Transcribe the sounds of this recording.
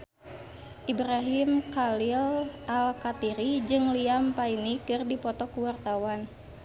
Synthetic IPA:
ʔibɾaɦimkalilʔalkat̪iɾid͡ʒɨŋliampainikɨrdipɔt̪ɔkuwart̪awan

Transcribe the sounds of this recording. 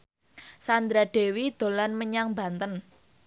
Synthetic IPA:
sand̪ɾad̥e̤wid̪̥o̤lanməɲaŋba̤nt̪ən

